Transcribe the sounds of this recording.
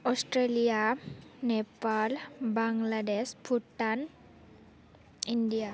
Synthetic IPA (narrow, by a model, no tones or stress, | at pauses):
osʈɾelijanepalbaŋɡlaɖespʰuʈːan | inɖija